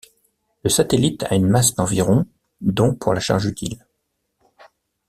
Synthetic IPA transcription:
ləsat̪elit̪ʰa̰ynmasd̪ɑ̃viʁɔ̃ | d̪ɔ̃pʰuʁlaʃa̰ʁʒyt̪ʰḭl

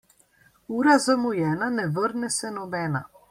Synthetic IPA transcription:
uːɾazamujɛːnanɛʋəɾnɛsɛnɔbɛːna̰

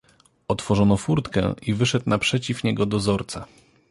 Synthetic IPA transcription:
ɔt̪fɔʐɔnɔfuɾt̪kɛ̰ivɘʂɛt̪napʂɛt͡ɕifɲɛɡɔd̪ɔzɔɾt̪sa

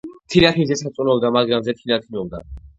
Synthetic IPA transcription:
t̪ʰinakʰizɛsat̪sʼunɔld̪amaɡɾamzɛt̪ʰinak̪ʰimɔld̪a̰

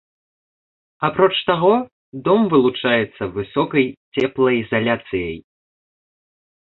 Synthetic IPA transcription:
apɾɔt͡ʂt̪aɣɔ | d̪ɔmvɨlˠut͡ʂajɛt̪sːɐvɨsɔkɐjt͡sʲɛplˠɐjizalʲat̪sɨjɐj

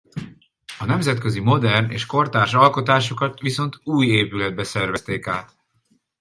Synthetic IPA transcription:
ɒnɛmzɛt̪køzimo̞d̪ɛrnḛːʃko̞rt̪aːʃɒlko̞t̪aːʃo̞kɒt̪ʋiso̞nt̪uːjeːpylɛd̪̚bɛsɛrvɛst̪eːkaːt̪

